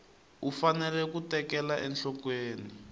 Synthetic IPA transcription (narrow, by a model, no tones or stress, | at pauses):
ufanɛlɛkutɛkɛlaʔɛnɬɔkweːni